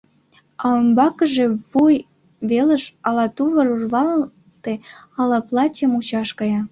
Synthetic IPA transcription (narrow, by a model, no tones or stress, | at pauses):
ɑømbɑkə̆ʒeβuj | βelə̆ʃɑlɑt̪uβə̆ɾurβɑl | t̪e | ɑlɑplɑtʲəmut͡ɕɑʃkɑjɑ